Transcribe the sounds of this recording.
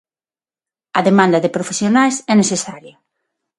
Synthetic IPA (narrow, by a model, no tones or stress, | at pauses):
ɐðemãnd̪ɐðepɾofesjonajsɛnesesaɾjɐ